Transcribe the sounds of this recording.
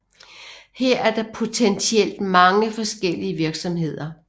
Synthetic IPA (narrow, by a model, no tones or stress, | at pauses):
heɐ̰ʔæɐd̥ɑ̈pʰo̝t͡sʰensʰiel̰d̥mɑ̈ŋəfɒ̽sɡ̥el̰iəʋiɐɡ̥sɒ̽mhe̝ð̞̰ˠɐ